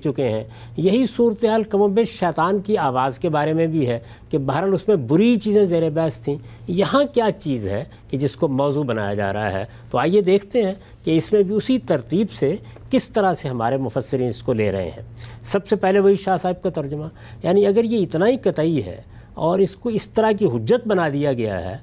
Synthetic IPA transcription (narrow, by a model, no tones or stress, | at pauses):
t͡ʃʊkeɦɛ̃ː | jɐɦisuːɾət̪eɦaːlkɐmõbeʃɛːt̪aːnkiaːʋaːzkebaːɾemẽbʱiɦɛ | kebaɦɾəlʊsmẽbʊɾit͡ʃiːzẽzeːɾebɛːst̪ʰĩːjɐɦãkjaːt͡ʃiːzɦɛ̰ | ked͡ʒɪskomɔːzubɐna̰ːja̰d͡ʒa̰ːɾɐ̰ɦa̰ɦɛ̰ː | t̪oaːjed̪eːkʰt̪eɦɛ̃ | keɪsmẽbʱiʊsit̪ɐɾt̪iːbsekɪst̪ɐɾaseɦɐmaːɾemʊfəsːɪɾiːnɪskolḛːɾɐ̰ɦḛɦɛ̰̃ːsɐbsepɛɦleʋɐiʃaːsaːɪb̚kat̪ɐɾd͡ʒʊma | jaːniɐɡəɾjeɪt̪naɦikɐt̪aːiɦɛ̰ | ɔːɾɪskoɪst̪ɐɾak̬iɦʊd͡ʒːət̪̚bɐnad̪ijaɡɐja̰ɦɛ̰ː